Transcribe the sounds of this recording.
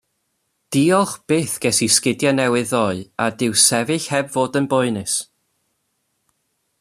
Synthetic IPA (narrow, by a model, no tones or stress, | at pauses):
d̥iɔχb̥eːθɡ̥ɛsiskɪdjanɛwɨðɔɨadɪwsɛvɪɬhɛbvoːdənbʊɨnɨs